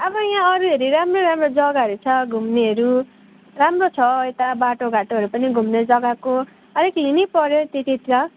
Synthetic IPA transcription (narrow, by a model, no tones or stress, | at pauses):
ʌbʌjãʌɾueɾiɾamroɾamrod͡zʌɡaɦʌɾut͡sʰʌɡʱumneɦʌɾu | ramrot͡sʰʌet̪abaʈoɡʱaʈoɦʌɾupʌniɡʱumned͡zʌɡako | ʌɾekɦinipʌɾjot̪iʈit̪ɾʌ